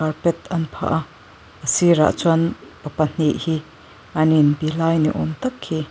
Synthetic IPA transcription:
arpɛt̪̚ɐnpʰa̰ːʔa | ʔəsiɾa̰ʔt͡swanpɐpɐn̥iʔhi | ʔɐninpilaːjnḭʔɔmt̪ɐkhi

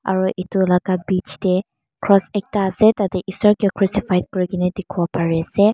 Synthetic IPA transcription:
a̰ɹuʔitulaɡabit͡ʃʰtɛ | kʰɹɔsɛk̚taːsɛtatɛʔisɔɹkekʰɹusipajd̚kɔɹikinɛdekʰubɔpaɹɛasɛ

